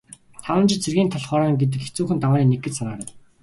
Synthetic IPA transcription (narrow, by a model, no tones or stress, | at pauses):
t̪ʰawə̆nt͡ɕɪ̆t͡ɕt͡sʰerɣʲiːnt̪ʰɔɮχɔːɾaːŋɡet̪̬ɘ̆ket͡suːxɘ̆nt̪awaːniːneɡɡɘ̆t͡ɕsanaːɾə̆